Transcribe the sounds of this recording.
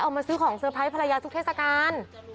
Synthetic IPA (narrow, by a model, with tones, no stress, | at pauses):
ʔa˧wmaː˧sɯː˦˥kʰɔː˩˦ŋsʰɯː˧pʰa˦˥jpʰa˧ɾa˧jaː˧t̪ʰu˦˥tʰeː˥˩t̪̚sa˧kaː˧n